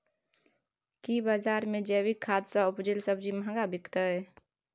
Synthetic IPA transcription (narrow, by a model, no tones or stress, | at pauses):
kibaːd͡ʒaːɾmẽd͡ʒɛwikʰːaːd̪saʊpd͡ʒelsəbd͡ʒimɦə̃ɡabɪkt̪əɦɛ